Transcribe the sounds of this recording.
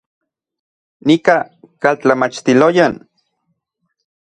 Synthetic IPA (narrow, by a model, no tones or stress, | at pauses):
nika | kalt͡ɬamat͡ʃt̪ilojan